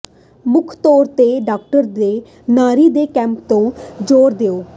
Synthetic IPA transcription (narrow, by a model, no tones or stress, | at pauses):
mʊkʰt̪ɔːɾt̪eːɖaːk̚ʈəɾd̪eː | naːɾiːd̪eːkɛ̃ːmp̚t̪õːd͡ʒoːɾd̪eːoː